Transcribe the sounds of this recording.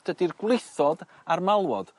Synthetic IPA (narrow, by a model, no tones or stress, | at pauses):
d̥ədirɡwlˠɪθɔd | armalˠwɔd̥